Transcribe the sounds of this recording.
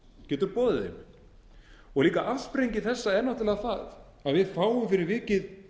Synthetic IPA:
cɛːt̪ʏɾpɔːðɪðɪ̰n | ɔɣliːkaʔafspɾejɲcɪθɛsːaɛɾnawt̪ɪlɛɣaθað | aðvɪðfaːwʏmfɪɾɪɾvɪːcɪð

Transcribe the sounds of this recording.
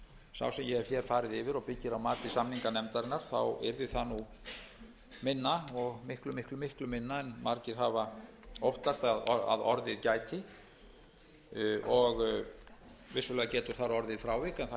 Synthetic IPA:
sa̰wsɛmjɛɛɾ̥fjɛɛɾ̥faːɾɪðɪvɪɾɔɣpɪcːɪɾawmaːt̪ɪsamniŋkanɛmt̪aɾɪnːaɾ̥θa̰wɛ̰ɾðɪθanu | mɪnːaɔɣmɪhklʏmɪhklʏmɪhklʏmɪnːaɛnmaɾcɪɾ̥ɦava | owht̪ast̪aðɔa̰ðɔ̰ɾðɪðcaːjt̪ʰɪ | ɔɣ | vɪsʏlɛːɣacɛːt̪ʏɾ̥θaɾɔɾðɪðfɾaːwvɪkɛnθ

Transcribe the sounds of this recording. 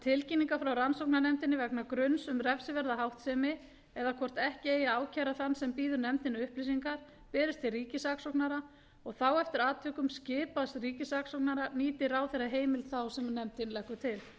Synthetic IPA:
t̪ʰɪlciniŋkafɾawransowknaɾnɛmt̪ɪnːɪvɛknakɾʏnsʏmrɛfsɪvɛɾðaɦawht̪sɛːmɪ | ɛðakʰɔr̥t̪ɛhcɪeːjaaːwcʰaːɾaθanːsɛmpiːðʏɾnɛmt̪ɪnʏʏhplisiŋkaɾ̥ | pɛːɾɪst̪ʰːɪlriːcɪsaksowknaɾa | ɔɣθawɛft̪ɪɾaːt̪ʰvʏːkʏmscɪːpast̪riːcɪsaksowk̚naɾaniːt̪ɪɾawθɛjraɦeːjmɪlt̪θawsɛmnɛmt̪ɪnlɛhkːʏt̪ʰɪl

